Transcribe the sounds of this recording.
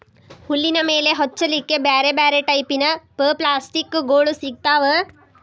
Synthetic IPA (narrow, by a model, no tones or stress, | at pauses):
hulːinɐmeːleɦɔtːt͡ʃɐlikːebaːɾebaːɾeʈɐipinɐpəːplaːsʈikːɡoːɽusik̚t̪aːʋə